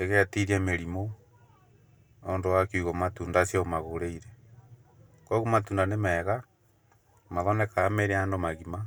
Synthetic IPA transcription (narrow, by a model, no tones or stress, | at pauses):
eɣeatiɾiemeɾimo | ondowakuɣomatuːndasiomaɣoɾeiɾe | koɣumatuːndanemɛːɣa | maðɔnekaːmeɾeaːndomaɣima